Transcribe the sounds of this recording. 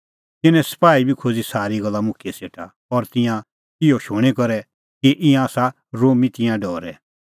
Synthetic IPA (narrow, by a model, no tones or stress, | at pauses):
t̪ɪnɛ̃sɐ̥paːibʱikʰoːd͡zisaːɾiɡɐlːamʊkʰieseːʈʰa | ɔɾt̪ɪ̃jã | kɪjoʃʊɽ̃ikɔɾɛ | kiʔɪ̃ãaːsa | ɾoːmit̪ɪ̃jãɖɔːɾɛ̰